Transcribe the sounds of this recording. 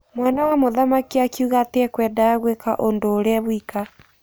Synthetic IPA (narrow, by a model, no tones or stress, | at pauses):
mwanawamoðamakiakjuɣateɛkwɛdaaɣweka̰ʔondoːɾɛβwika